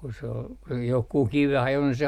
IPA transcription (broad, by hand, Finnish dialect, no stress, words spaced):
ku se ol johkuh kiʋeh ɑjo ni se